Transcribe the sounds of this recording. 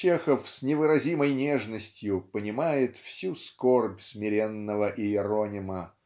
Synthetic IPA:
t͡ɕexəfsʲnʲɪvɨɾɐzʲiməjnʲeʐnəsʲtʲjʊpənʲɪmajɪt̪fsʲuskorbʲsʲmʲɪɾʲenːəvəʔɪɪɾonʲɪmə

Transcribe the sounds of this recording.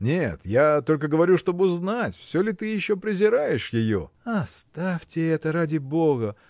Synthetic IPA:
nʲet̪jat̪o̞lʲkəɡəvɐɾʲuʂt̪o̞bɨʊznatʲfsʲolʲɪt̪ɨjɪɕːo̞pɾʲɪzʲɪɾajɪʂjɪjo̞̰ | ɐst̪afʲtʲɪɛt̪əɾadʲɪbo̞ɡə

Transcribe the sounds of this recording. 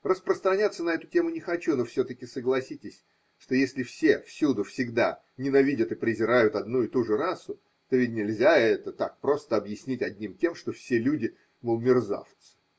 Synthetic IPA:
rəspɾəst̪ɾɐnʲat̪sːənɐɛt̪ʊtʲe̞mʊnʲɪxɐt͡ɕunofsʲot̪əkʲɪsəɡlˠɐsʲitʲɪsʲ | ʂt̪o̞jesʲlʲɪfsʲe̞fsʲud̪ʊfsʲɪɡd̪a | nʲɪnɐvʲidʲət̪ɨpɾʲɪzʲɪɾajʊt̪ɐd̪nuɪt̪uʐɨɾasʊ | t̪ovʲɪt̚ʲnʲɪlʲzʲaɛt̪ət̪ak̚pɾo̞st̪əɐbjɪsʲnʲitʲɐdʲnʲimtʲe̞mʂt̪o̞fsʲelʲudʲɪ | məʊmʲɪrza̰ft̪sə̥

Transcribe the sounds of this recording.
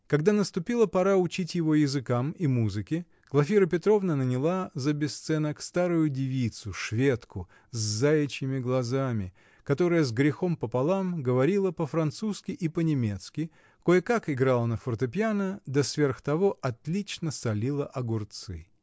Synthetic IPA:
kɐɡd̪anəst̪ʊpʲilˠəpɐɾaʊt͡ɕitʲjɪvo̞jɪzɨkamimuzɨkʲɪ | klˠɐfʲiɾəpʲɪt̪ɾo̞vnənənʲɪlˠazəbʲɪst̪sɛnəkst̪aɾʊjʊdʲɪvʲit̪sʊʂvʲe̞t̪kʊ | zzajɪt͡ɕɪmʲɪɡlˠɐzamʲɪ | kɐt̪o̞ɾɨjəzɡɾʲɪxo̞mpəpɐlˠamɡəvɐɾʲilˠəpəfɾɐnt̪suskʲɪʔipənʲɪmʲe̞t̪skʲɪ | kojəkakɪɡɾalˠənəfərt̪ɨpʲjanəd̪ɐsvʲe̞rxt̪ɐvo̞ʔɐt̪lʲit͡ɕnəsɐlʲilˠəʔɐɡʊrt̪sɨ̰

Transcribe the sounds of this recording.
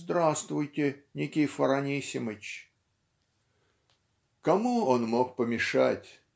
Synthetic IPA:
zd̪ɾast̪vʊjtʲɪnʲɪkʲɪjfəɾɐnʲisʲɪmət͡ɕ | kɐmuonmo̞k̚pəmʲɪʂa̰tʲ

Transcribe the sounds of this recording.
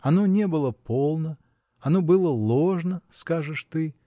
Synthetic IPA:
ɐnonʲebɨlˠəpʰolˠnə | ɐnobɨlˠəlˠoʐnəskaʐɨʂt̪ɨ

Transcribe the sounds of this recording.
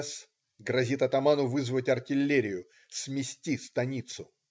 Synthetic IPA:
s | ɡɾɐzʲit̪ɐt̪ɐmanʊvɨzvətʲɐrtʲɪlʲːeɾʲɪjʊ | smʲɪsʲtʲist̪ɐnʲit̪sʊ

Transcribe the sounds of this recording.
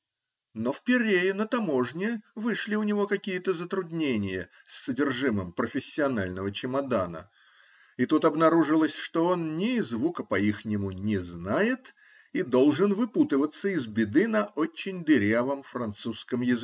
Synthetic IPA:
no̞fpʲɪɾʲejɪnət̪ɐmo̞ʐnʲɪvɨʂlʲɪʊnʲɪvo̞kɐkʲijət̪əzət̪ɾʊd̪ʲnʲenʲɪjə | sːədʲɪrʐɨməmpɾəfʲɪsʲːɪɐnalʲnəvət͡ɕɪmɐd̪anə̰ | it̪ut̪ɐbnɐɾuʐɨlˠəsʲʂt̪o̞o̞nːʲɪzvukəpɐixnʲɪmʊnʲɪznajɪt̪ | id̪o̞lˠʐɨnvɨput̪əvət̪sːəɪzbʲɪd̪ɨnɐʔo̞t͡ɕːɪnʲd̪ɪɾʲavəmfɾɐnt̪suskəmjɪzɨ

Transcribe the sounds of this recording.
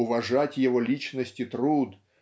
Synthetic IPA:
ʊvɐʐatʲjɪvolʲit͡ɕnəsʲtʲɪt̪ɾud̪

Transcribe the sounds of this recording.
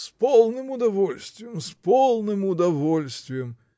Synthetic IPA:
spɔlˠnɨmʊd̪ɐvɔlʲsʲt̪ʲvʲɪjəmspɔlˠnɨmʊd̪ɐvolʲsʲt̪ʲvʲɪjəm

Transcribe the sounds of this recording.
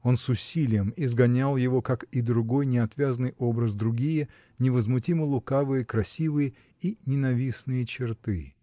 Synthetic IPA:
o̞nsʊsʲilʲɪjəmizɡɐnʲalˠjɪvo̞kakid̪ɾʊɡo̞jnʲɪɐt̪vʲazənɨjʔo̞bɾəzd̪ɾʊɡʲijə | nʲɪvəzmʊtʲimɨlˠʊkavɨjəkɾɐsʲivɨjə | inʲɪnɐvʲisnɨjət͡ɕɪrt̪ɨ

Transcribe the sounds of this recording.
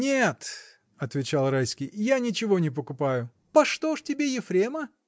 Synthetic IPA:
nʲet̪ | ɐt̪vʲɪt͡ɕalˠrajsʲkʲɪjjanʲɪt͡ɕɪvo̞nʲɪp̬əkʊpajʊ | pɐʂt̪oʂtʲɪbʲejɪfɾʲemə

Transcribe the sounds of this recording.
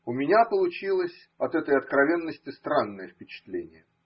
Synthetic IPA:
ʊmʲɪnʲapəlˠʊt͡ɕilˠəsʲ | ɐt̪ɛt̪əjɐt̪kɾɐvʲe̞nːəsʲtʲɪst̪ɾanːəjəfʲpʲɪt͡ɕɪ̥t̪lʲenʲɪjə

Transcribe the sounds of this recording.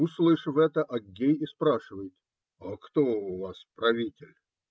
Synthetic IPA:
uslˠɨjɪʂvɛt̪əʔɐɡʲːejɪspɾaʂɨvəjɪt̪ | ɐkt̪oʊvaspɾɐvʲitʲɪlʲ

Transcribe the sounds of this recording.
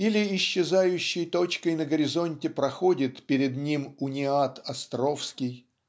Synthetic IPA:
ilʲɪɪɕːɪzajʉɕːɪjt̪o̞t͡ɕkəjnəɡəɾʲɪzo̞nʲtʲɪpɾɐxo̞dʲɪt̪pʲɪɾʲɪd̪nʲimʊnʲɪat̪ɐst̪ɾo̞fskʲɪj

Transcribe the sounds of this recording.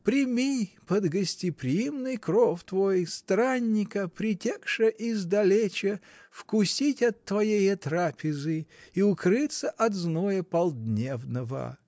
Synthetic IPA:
pɾʲɪmʲipəd̪ɡəsʲtʲɪpɾʲɪjimnɨjkɾoft̪vojst̪ɾanʲːɪkəpɾʲɪtʲekʂəʔɪzd̪ɐlʲet͡ɕə | fkʊsʲitʲɐt̪ːvɐjejət̪ɾapʲɪzɨiʊkɾɨt̪səʔɐt̪znojəpɐlˠd̪nʲevnəvə̰

